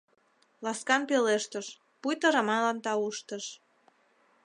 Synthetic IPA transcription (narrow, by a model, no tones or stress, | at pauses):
lɑskɑnpeleʃt̪əʃ | pujt̪əɾəmɑnlɑnt̪ɑuʃt̪əʃ